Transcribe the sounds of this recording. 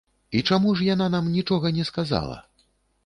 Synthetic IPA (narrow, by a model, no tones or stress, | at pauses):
it͡ʂamuʐjananamnʲit͡ʂɔɣɐnʲɛskaza̰lˠɐ̰